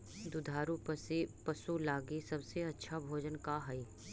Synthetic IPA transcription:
d̪ʊd̪ʱaːɾuppɐsulaːɡisɐbseɐtːʃʰabʱoːd͡ʒənkaɦɐi

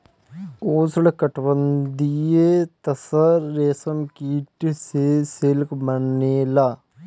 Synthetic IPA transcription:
oːsuɽɐkːɐʈʋɐnd̪ijet̪ɐsɐɾeːsɐmkiːʈːɨseselkmɐɳːeːla

